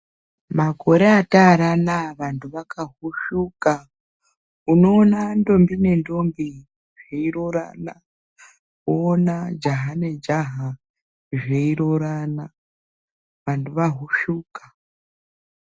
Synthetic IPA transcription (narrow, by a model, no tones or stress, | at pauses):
mako̞ɾeataɾanaʋantʰuʋakʰaɦuʃuka | uno̞ːnando̞mbine̞ndo̞mbi | ʐeiɾoɾa̰ːna | uːnad͡ʒaɦane̞d͡ʒaɦa | ʐeiɾoɾana | ʋantʰuʋaɦuʃuːkḁ